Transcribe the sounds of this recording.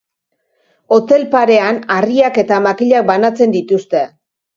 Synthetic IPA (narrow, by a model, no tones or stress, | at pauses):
o̞t̪e̞lpaɾe̞anariake̞t̪amakiʎak̚banat͡se̞nd̪it̪ust̪e̞